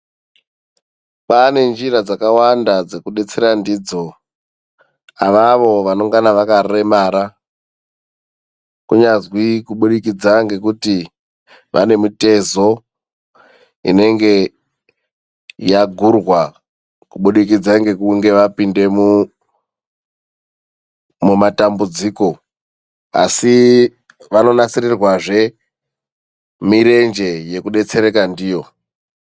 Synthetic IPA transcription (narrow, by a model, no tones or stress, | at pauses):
pane̞nd͡ʒirad͡zakawandad͡ze̞kuɗe̞t͡seɾandid͡zo̞ | aʋaʋo̞ʋano̞ŋɡanaʋakaemaːɾa | kuɲazwikuɓuɗik̬id͡zaŋɡe̞kuti | ʋa̰ne̞mute̞zo̞ | ḭne̞ŋɡe̞ | jaɡʱurwa | kuɓuɗik̬id͡zaŋɡe̞kuŋɡe̞ʋapinde̞mu | mumatambud͡ziːko̞ | a̰si | ʋano̞nat͡sirirwaʐe̞ | miɾe̞nd͡ʒe̞je̞kuɗe̞t͡se̞ɾe̞kandiːjo̞